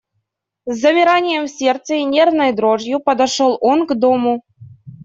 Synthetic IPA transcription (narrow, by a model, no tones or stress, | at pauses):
zɐmʲiɾanʲɪjemsʲert̪sənʲernəjd̪ɾoʐjupɐd̪aʂolˠʔonɡd̪omu